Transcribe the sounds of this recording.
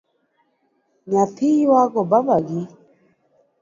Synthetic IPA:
ɲapʰijwaɡɔbaβaɡi

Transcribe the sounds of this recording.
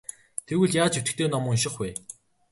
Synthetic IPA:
t̪ʰewɘ̆ɮjaːt͡ɕɵt̪ɘ̆kt̪ʰeːnɔmʊ̆ŋʃ̬ɪ̆χwe

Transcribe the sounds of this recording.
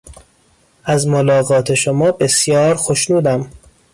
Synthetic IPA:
æzmolɒːɣɒːt̪ʰe̞ʃomɒːbe̞sjɒːɾxoʃnuːd̪æm

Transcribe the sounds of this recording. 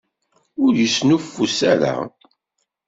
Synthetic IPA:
ʊɾjəsnufːusæ̰ɾa̰

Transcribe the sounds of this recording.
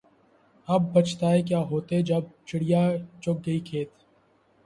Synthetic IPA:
ɐb̚ːɐt͡ʃt̪aɦɛk̬jaːɦoːt̪ed͡ʒɐb̚t͡ʃɪɽɪjat͡ʃʊk̚ɡɐikʰeːt̪

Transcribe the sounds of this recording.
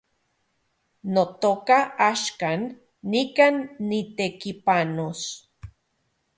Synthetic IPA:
not̪okaaʃkanː | ikanːit̪ekipanos

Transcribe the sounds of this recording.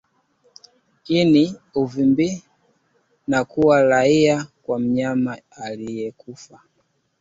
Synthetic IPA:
iniuvimbi | nakuwaɾaiakwam̩ɲamaalijɛkufa

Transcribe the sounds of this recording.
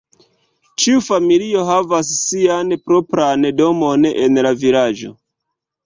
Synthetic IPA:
t͡ʃiufamilio̞ɦavasːianpɾo̞pɾando̞mo̞ne̞̰nlavilad͡ʒo̞̰

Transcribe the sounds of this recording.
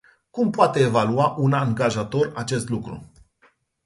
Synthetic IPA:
kumpoat̪e̞ːvaluaʔunaŋɡaʒat̪o̞rat͡ʃe̞st̪lukɾṵ

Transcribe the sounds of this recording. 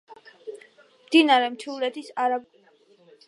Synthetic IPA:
md̪inaɾɛmt̪ʰivlɛt̪ʰisaɾab

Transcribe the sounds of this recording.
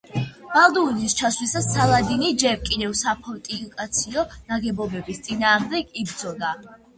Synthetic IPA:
m̥alˠd̪uːnist͡ʃʰaswlisasːalˠad̪inid͡ʒɛɾkʼid̪ɛvsapʰɔt̪ʼikʼat̪sʰiɔnaɡɛbɔbɛbist̪sʼinaːʁmd̪ɛɡʰibɾd̪zɔd̪a

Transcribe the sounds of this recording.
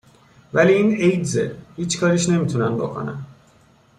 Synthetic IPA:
væliːiːnejd̪zḛhiːt͡ʃkʰɒːɾiʃne̞miːt̪ʰunænbo̞̰kʰo̞̰næ̰n

